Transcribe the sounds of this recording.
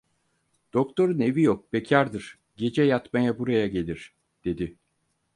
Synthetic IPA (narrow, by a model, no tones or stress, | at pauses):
d̪̥o̞kt̪ʰo̞ɾɯne̞vijok̚becʰaɾd̪ɯɾ̥ | ɟe̞d͡ʒɛjat̪majabuɾajaɟe̞lʲiɾ̥ | d̪̥e̞d̪i